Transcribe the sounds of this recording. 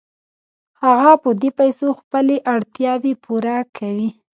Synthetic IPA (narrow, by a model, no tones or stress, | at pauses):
haɣapəd̪epajsoxpəleʔaɽt̪jɑbepʰuɾakʰawi